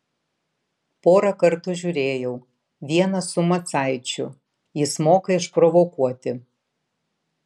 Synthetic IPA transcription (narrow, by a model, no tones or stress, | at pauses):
poːɾɐkɐɾt̪ʊʒʲʊɾʲeːjɛʊ | ʋʲiɛnɐsʊmɐt̪sɑˑɪt͡ʃʲʊ | jɪsmoːkɐɪʃpɾɔʋɔkuɔt̪ʲɪ